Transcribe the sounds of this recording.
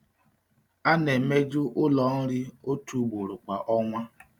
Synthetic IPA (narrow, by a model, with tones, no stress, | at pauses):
a˦ne˨me˦d͡ʒʊ˦ʔʊ˦lɔ˨n̩˦ɾɪ˦o˦tu˨˦bo˨ɾʊ˨ka˨ʔɔ˦ŋʷa˦